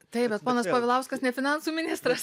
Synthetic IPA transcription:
t̪ɐɪpbʲɛt̪poːnɐspoːʋʲɪlˠɐʊskɐsnʲɛfʲɪnɑnsuːmʲɪnʲɪst̪ɾɐs

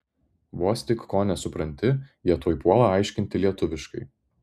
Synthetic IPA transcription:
ʋoːsʲt̪ʲɪkːoːnʲɛsʊpɾɐnʲt̪ʲɪjiɛt̪oːjpuɔlˠɑɐˑɪʃʲkʲɪnʲt̪ʲɪlʲiɛt̪ʊʋʲɪʃkɐɪ

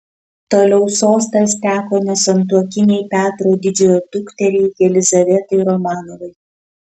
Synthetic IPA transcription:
t̪oːlʲɛʊsoːst̪ɐst̪ʲæːkoːnʲɛsɐnt̪̬uɔkʲɪnʲɛɪpʲæːt̪ɾoːd̪ʲɪd͡ʒʲɛjoːd̪ʊkt̪ʲɛɾʲɛɪɡʲɛlʲɪzɐʋʲɛt̪ɐɪɾɔmɑːnoʋɐɪ

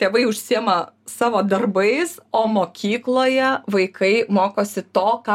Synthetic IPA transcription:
t̪ʲeːʋɐɪʊʃʲsʲiɛmɐsɑːʋoːd̪ɐrbɐɪsoːmoːkʲiːklˠoːjɛʋɐɪkʰɐɪmoːkoːsʲɪt̪oːkɑ

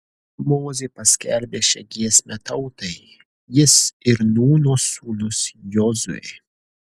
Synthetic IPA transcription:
moːzʲeːpɐsʲkʲɛlʲbʲeːʃʲɛ̰ɡʲiɛsʲmʲɛt̪ɐʊt̪ɐɪ | jɪsɪɾnuːnoːsuːnʊsjɔzʊ̰ḛː

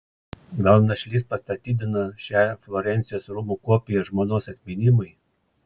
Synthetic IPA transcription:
ɡɐlˠnɐʃʲlʲispɐst̪ɐt̪ʲiːd̪ʲɪnɐʃʲæːˑflˠɔɾʲɛnʲt̪sʲɪjoːsɾʊmukoɔpʲɪjɛʒmoːnoːsɐt̪ʲmʲɪnʲɪmɐɪ

